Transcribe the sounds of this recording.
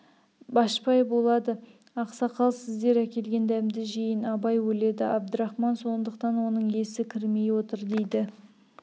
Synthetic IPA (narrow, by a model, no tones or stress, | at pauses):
bɑʃpɑjbo̞lˠɑd̪ə | ɑqsɑqʰɑlˠsɪzd̪e̞ɾækʲe̞lɡʲe̞nd̪æmd̪ɪʒejɪnɑbɑjwɵle̞d̪ɪʔɑb̚d̪əɾɑχmɑnso̞nd̪əqt̪ɑnwo̞nəɴe̞sɪkʲʰɪɾme̞jwo̞t̪əɾd̪e̞jd̪ɪ